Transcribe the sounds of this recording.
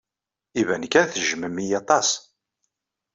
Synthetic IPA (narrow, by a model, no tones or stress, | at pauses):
ivænkænθʒməmijɑt̪ˤɑs